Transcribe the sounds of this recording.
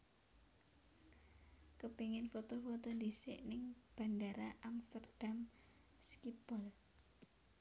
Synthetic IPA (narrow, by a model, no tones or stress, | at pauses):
kəpeŋɪnfot̪ɔfot̪ɔndisɪ̰ʔnɪŋb̥a̤ndaɾaʔamst̪ərd̥am | skipɔl